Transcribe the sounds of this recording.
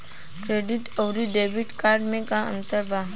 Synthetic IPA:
kɾeɖiʈəwɾiɖebʱiʈkaɾɖmẽkãə̰nt̪əɾbʱaɦ

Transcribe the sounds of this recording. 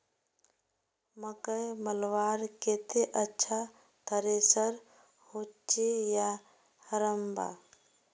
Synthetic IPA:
məkəjməlʋaɾket̪eʔətːʃʰa | t̪ʰəɾesəɾ | hot͡ʃeja | həɾəmba̰

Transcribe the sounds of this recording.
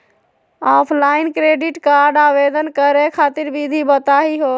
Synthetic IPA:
aːpʰlaɪnkɾeɖiʈkaɾɖaʋed̪ənkəɾekʰat̪iɾbid̪ʱibət̪aɦiɦo

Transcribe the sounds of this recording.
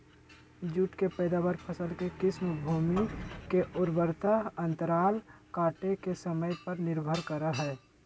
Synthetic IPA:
d͡ʒuːʈkepɛːd̪aːʋaɾpʰəsəlkekɪsmbʱuːmikeʔʊɾbəɾt̪aə̃nt̪əɾaːlkaːʈekesəməjpəɾnɪɾbʱəɾkəɾaɦɛː

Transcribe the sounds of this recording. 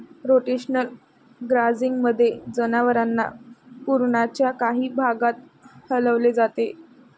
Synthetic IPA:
ɾoʈeɕnəl | ɡɾad͡ziŋɡməd̪ʱːjed͡zənaʋəɾanːa̰puɾɳat͡ɕjakaɦiːbʱaɡat̪̚ | hələʋled͡zat̪e

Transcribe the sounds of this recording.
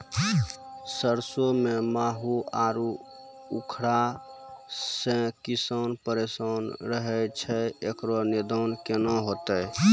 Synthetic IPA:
səɾsomemaɦuaɾu | ukʰɾa | sẽkisənpəɾesənɾəɦɛt͡ʃʰɛekɾoned̪ʱənkenɔɦot̪əj

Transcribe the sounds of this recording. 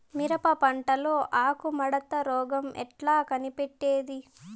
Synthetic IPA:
miɾɐpɐpɐɳʈɐloːʔaːkumɐɽɐt̪ːɐɾɔːɡɐmɛ̰ʈlaːkɐnipeʈːeːd̪i

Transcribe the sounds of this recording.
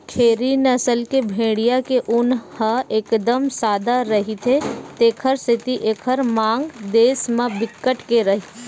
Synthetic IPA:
kʰeːɾinəsəlkebʱẽːɽijakeʔʊnhəeːkd̪əmsaːd̪aɾəɦit̪ʰet̪eːkʰəɾsɪt̪iʔeːkʰəɾmãːŋɡd̪eːsmãbɪkːəʈkeɾəɦi

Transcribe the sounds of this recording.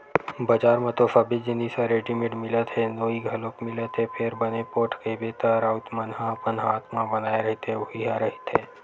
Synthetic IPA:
bɐd͡ʒaːɾmẽt̪ofɐbɪd͡ʒɪnisaɾeːɖimɪ̃ʈmɪlət̪ɦɛnoːiɡʱɐlokmɪlət̪ɦɛpʰeɾbɐnepoːʈkebet̪əɾaʊt̪mɐnɦãɐpənɦaːt̪mãbɐnaːeɾɐɦɪt̪ɦɛʊɦiɦãɾɐɦɪt̪ɦɛː

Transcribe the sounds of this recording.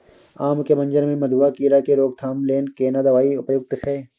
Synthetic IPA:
aːmkemɐ̃nd͡ʒəɾmẽmɐd̪uakiːɾakeɾoːɡ̚t̪ʰaːmleːnkeːnad̪ɐʋaːiʊpjʊk̚t̪sɛː

